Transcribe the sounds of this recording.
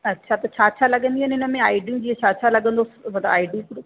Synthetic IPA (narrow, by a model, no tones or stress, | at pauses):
ɐtːʃʰat̪ɐt͡ɕʰaːt͡ʃʰalɐɠə̃nd̪iɦanɪnəmẽaːiɖiũd͡ʑiːɐt͡ɕʰaːʃʰalɐɠə̃nd̪omɐd̪aaːiɖiũpɾ